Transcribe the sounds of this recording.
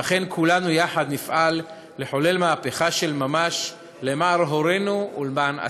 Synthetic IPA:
aχe̞nkʰulanujaħad̪nifʔalː | e̞ħo̞le̞lmaːpeχaʃe̞lmamaʃ | lemaːɾɦoɾe̞nuulmana̰

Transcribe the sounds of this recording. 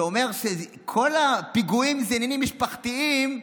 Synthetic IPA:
o̞me̞ʁʃe | kʰo̞lapiɡuimzeninimːiʃpaχt̪iim

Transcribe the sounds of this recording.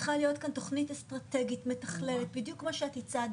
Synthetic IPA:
χalijo̞tkanto̞χnitst̪ʁat̪eɡitmetaχle̞let̪̚bidjukmaʃeat̪it͡sad

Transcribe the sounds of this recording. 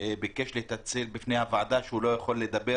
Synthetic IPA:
bekeʃlet̪at͡selbifnejhavʕad̪aʃeulo̞jaχo̞lːed̪abe

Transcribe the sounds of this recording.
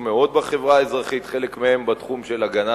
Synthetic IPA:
meo̞d̪̚baχe̞vʁaezʁaχit̪χe̞lekmehe̞mbat̪χumʃe̞laɡana

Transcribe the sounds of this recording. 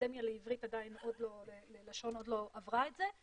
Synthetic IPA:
demjaleivʁitadaino̞d̪lo̞lelelaʃo̞no̞dlo̞ʔavʁaetze

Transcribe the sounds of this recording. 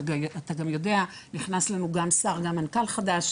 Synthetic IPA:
aat̪aɡamjo̞de̞a | niχnaslanuɡamsaʁɡamːankalχadaʃ

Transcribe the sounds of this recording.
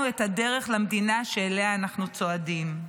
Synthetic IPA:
uethade̞ʁe̞χlamd̪inaʃeːleaːnaχnut͡soadim

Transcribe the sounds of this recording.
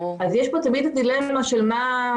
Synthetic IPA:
azjeʃpot̪amid̪ad̪ilemːaʃelma

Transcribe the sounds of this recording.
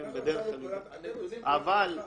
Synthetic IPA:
embed̪eʁeχali | aval

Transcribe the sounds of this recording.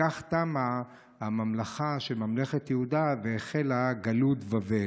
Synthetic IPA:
aχt̪ama | hamamlaχaʃe̞lmamleχet̪jeud̪aveːχelaɡalutvave

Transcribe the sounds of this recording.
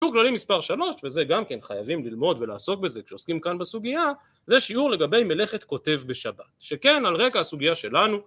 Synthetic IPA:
uʁklalimispaʁʃalo̞ʃve̞ze̞ɡamke̞nχajavimlilmo̞d̪ve̞laːso̞kbe̞ze̞kʃeoskimkanbasuɡija | ze̞ʃiuʁle̞ɡabe̞jmele̞χe̞t̪ko̞te̞vbe̞ʃabatʃe̞ke̞nalʁe̞kaasuɡijaʃe̞lanu

